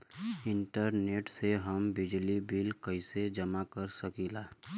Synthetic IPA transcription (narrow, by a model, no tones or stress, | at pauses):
ɪ̃ɳʈəɾneːʈseɦəmbɪd͡ʒlibilkəĩsed͡ʒəmakəɾsəkiːlaː